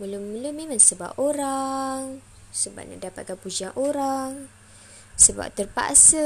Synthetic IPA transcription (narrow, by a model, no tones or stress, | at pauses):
muluməlumemãŋsəba̰p̚oɾaŋ | səba̰ʔ̚na̰dapat̪̚kanpud͡ʒiaŋʔoɾaŋ | səba̰p̚t̪ərpa̰ʔsə